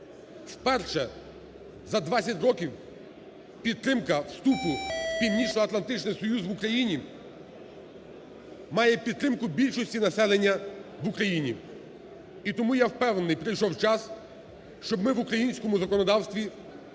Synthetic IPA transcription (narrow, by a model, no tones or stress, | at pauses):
fpɛrʃɛ | zɐd̪ʋasʲɐtʲɾɔkʲiw | pʲid̪̚t̪ːɾɪmkɐwst̪upʊpʲiwnʲit͡ʃnɔɐt̪lˠɐnt̪ɪt͡ʃnɪjsɔjuzʋʊkɾɐjinʲi | mɑjɛpʲid̪̚t̪ːɾɪmkʊbʲilʲʃɔsʲtʲinɐsɛlˠenʲːɐʋʊkɾɐjinʲi | it̪ɔmujawpɛwnenɪjpɾɪjʃɔwt͡ʃɑs | ʃt͡ʃɔbmɪʋʊkɾɐjinʲsʲkɔmʊzɐkɔnɔd̪ɑwst̪ʋʲi